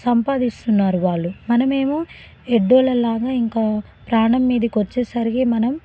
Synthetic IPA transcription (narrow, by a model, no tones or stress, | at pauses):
sɐmpaːd̪ist̪unːaːɾuʋaːɭːumɐnɐme̞ːmuː | eɖːoːlɐlaːɡaːiŋkaː | pɾaːɳɐmːiːd̪ɐkʋɐt͡ʃːeːsɐɾiɡeːmɐnɐm